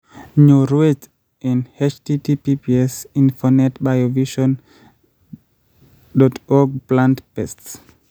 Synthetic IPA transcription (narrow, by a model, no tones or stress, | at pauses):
ɲuɹuet | ɛ̃nhet͡ʃtitipipiɛsĩnfɔnɛtbajoviʃɔ̃n | dɔtʰɔɡ̚plãntpɛsts